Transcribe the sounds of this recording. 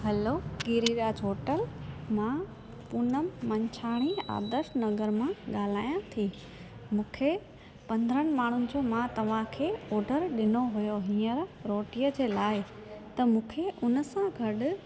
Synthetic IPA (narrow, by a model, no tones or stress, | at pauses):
ɦɐloɡiːɾiɾaːd͡ʑɦoːʈəlmã | pʊnəmːɐ̃ɲt͡ɕʰaːɽ̃ia̰ːd̪əɾʃnɐɡəɾmãɠaːl̤aːjãt̪ʰiː | mũːkʰe | pɐ̃nd̪ɾəñɪ̆maːɳ̤ʊnɪ̆d͡ʑoːmãt̪ɐʋ̤ãkʰeːɔːɖəɾɗɪnoɦujoɦĩːəɾɾoːʈijəd͡ʑeːlaːɪ | t̪ɐmũːkʰeʔʊnəsãɡʱɐɗʊ